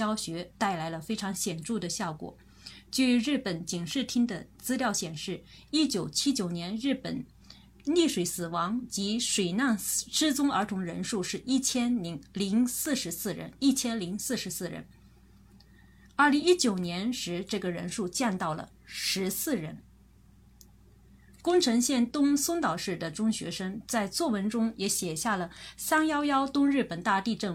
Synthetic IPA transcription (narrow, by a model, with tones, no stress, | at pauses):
jɑ˥ʊɕɥɛ˧˥t̪a˥˩ɪla˧˥ɪlə˧fe˥ɪʈ͡ʂʰɑ˧˥ŋɕjɛ˨˩nʈ͡ʂu˥˩d̪ə˩ɕjɑ˥˩ʊkwɔ̰˨˩˦ | t͡ɕy˥˩ɻɻ̩˥˩pə˨˩nt͡ɕi˨˩ŋʂɻ̩˥˩t̪ʰi˥ŋd̪ə˨t͡sɹ̩˥ljɑ˥˩ʊɕjɛ˨˩nʂɻ̩˥˩i˥t͡ɕjo˨˩ʊt͡ɕʰi˥t͡ɕjo˨˩ʊnjɛ˧˥nɻ̩˥˩pə̰˨˩˦n | li˥˩ʂwe˧˩˥ɪsɹ̩˨˩wɑ˧˥ŋt͡ɕi˧˥ʂwe˨˩ɪna˥˩nʂɻ̩˥t͡sʊ˥ŋə˞˧˥t̪ʰʊ˧˥ŋɻə˧˥nʂu˥˧ʂɻ̩˥˩ʔi˥˩t͡ɕʰjɛ˥nli˧˥ŋli˧˥ŋsɹ̩˥˩ʂɻ̩˧˥sɹ̩˥˩ɻə̰˧˥ni˥˩t͡ɕʰjɛ˥nli˧˥ŋsɹ̩˥˩ʂɻ̩˧˥sɹ̩˥˩ɻə̰˧˥n | ə˥˩li˧˥ŋi˥t͡ɕjo˨˩ʊnjɛ˧˥nʂɻ̩˧˥ʈ͡ʂɤ˥˩ɡə˩ɻə̰˧˥nʂu˥˧t͡ɕjɛ˥˧nt̪ɑ˥˩ʊlə̰˩ | ʂɻ̩˧˥sɹ̩˥˩ɻə̰˧˥n | kʊ˥ŋʈ͡ʂʰɤ˧˥ŋɕjɛ˥˩nt̪ʊ˥ŋsʊ˥ŋt̪ɑ˨˩ʊʂɻ̩˥˩d̪ə˩ʈ͡ʂʊ˥ŋɕɥɛ̰˧˥ʂɤ˥ŋt͡sa˥˧ɪt͡swɔ˥˩wə˧˥nʈ͡ʂʊ˥ŋjɛ˧˥ɕjɛ˨˩ɕja˥˩lə˩sa˥ŋjɑ˥ʊjɑ˥ʊt̪ʊ˥ŋɻɻ̩˥˩pə˨˩nt̪a˥˧t̪i˥˧ʈ͡ʂɤ˥˩ŋ